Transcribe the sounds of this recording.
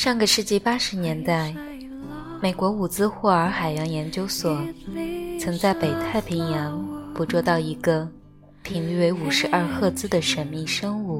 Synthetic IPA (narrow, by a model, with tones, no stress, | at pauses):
ʂɑ˥˩ŋɡə˩ʂɻ̩˥˧t͡ɕi˥˧pa˥ʂɻ̩˧˥njɛ˧˥nt̪a˥˩ɪ | me˨˩ɪkwɔ˧˥u˨˩t͡sɹ̩˥xwɔ˥˩ə˞˧˥xa˨˩ɪjɑ˧˥ŋjɛ˧˥nt͡ɕjo˥ʊswɔ˨˩˦ | t͡sʰɤ˧˥ŋt͡sa˥˩ɪpe˨˩ɪt̪ʰa˥˩ɪpʰi˧˥ŋjɑ˧˥ŋpu˨˧˥ʈ͡ʂwɔ˥˧t̪ɑ˥˩ʊi˧˥ɡə˧ | pʰi˨˩ŋly˥˩we˧˥ɪu˨˩ʂɻ̩˧˥ʔɐ˞˥˧xɤ˥˧t͡sɹ̩˥d̪ə˨ʂə˧˥˩nmi˥˩ŋʂɤ˥ŋu˥˩